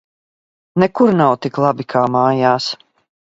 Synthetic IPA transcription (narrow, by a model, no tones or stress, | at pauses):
nɛkuɾnawt̪iklˠabikʰaːmaːjaːs